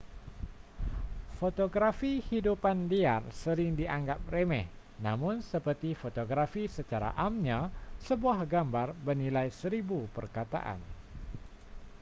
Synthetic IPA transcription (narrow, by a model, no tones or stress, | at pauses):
fot̪oɡɾafihidupandia̰rsəɾɪŋdiʔaŋɡap̚remɛ̰h | namʊnsəpərt̪ifot̪oɡɾafisət͡ʃaɾa̰ʔamɲasəbuahɡambarbənilajsəɾibupərkat̪a̰ʔa̰n